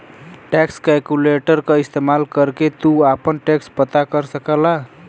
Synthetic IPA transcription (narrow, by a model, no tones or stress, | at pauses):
ʈɛkskɛlkuleʈəɾkəist̪emalkəɾket̪uapənʈekspət̪akəɾsəkəla